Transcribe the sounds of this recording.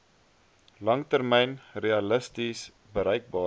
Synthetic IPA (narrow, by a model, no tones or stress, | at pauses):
lɐŋtərmɛjnreɐləstis | bəɾəjk̚bɑː